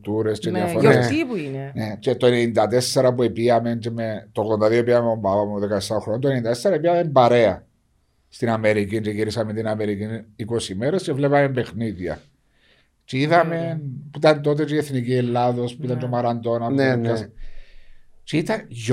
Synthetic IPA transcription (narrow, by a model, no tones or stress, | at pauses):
t̪uɾe̞st͡ʃejafoɾipuinenet͡ʃet̪oenenind̪ɐt̪e̞sːeɾɐp̬uepiɐme̞nt͡ʃemet̪oɣðo̞nd̪ɐðioepiamombavameðekaesːaoxɾonont̪onnind̪ɐt̪esːeɾɐepiɐme̞mbɐɾe̞ɐ | st̪inɐme̞ɾicint͡ʃeʝiɾisɐment̪inɐme̞ɾikiniko̞simeɾe̞st͡ʃevlepɐme̞mbe̞xniðʝɐ̰ | t͡ʃeiðɐme̞npuit̪ɐnt̪o̞t̪̬et͡ʃieθnicielːaðo̞spuit̪ɐnt͡ʃomaɾand̪o̞nankas | t͡ʃeit̪ɐnʝ